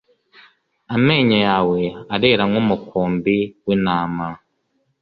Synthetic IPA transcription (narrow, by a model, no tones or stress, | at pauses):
ame̞ːɲajaːwe̞aɾeɾaŋŋomukʰoːmbiwinaːma